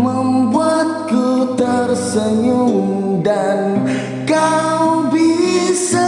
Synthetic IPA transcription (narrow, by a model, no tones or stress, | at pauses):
məmbuat̪̚kut̪ərsəɲuŋ | dan | kawbisa